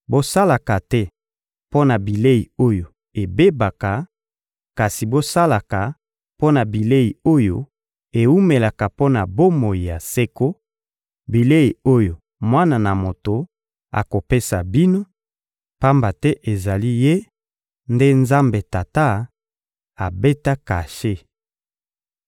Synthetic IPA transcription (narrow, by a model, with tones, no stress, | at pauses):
bo˦sa˦la˨ka˨tɛ˦ | po˦na˨bi˨le˦i˨o˦jo˨ | e˨be˦ba˨ka˨ | ka˨si˨bo˦sa˦la˨ka˨ | po˦na˨bi˨le˦ji˨o˦jo̰˨ | e˨u˦me˨la˨ka˨po˦na˨bo˦mo˨i˨ja˨se˦ko˦ | bi˨le˦i˨o˦jo˨ | mwa˦na˨na˨mo˨to˨ | a̰˨ko˨pe˦sa˨bi˦no˦ | pa˦mba˨tɛ˦ʔe˨za˨li˦je˦ | nde˦nza˦mbe˨ta˨ta˦ | a˨be˦ta˦ka˨ʃe˦